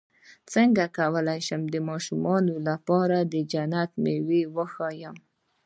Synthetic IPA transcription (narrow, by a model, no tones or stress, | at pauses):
t͡səŋɡakawəlajʃəmd̪əmɑʃumɑnolapɑɾad̪əd͡ʒanat̪mewewəxɑjəm